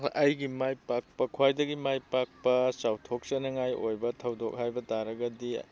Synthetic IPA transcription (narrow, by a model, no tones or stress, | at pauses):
ʔɐjɡimajpak̚pɐkʰwajdɐɡimajpak̚pɐsawtʰok̚sɐnɐŋajʔojbɐtʰɐwdok̚hajbɐtaɾɐɡɐdi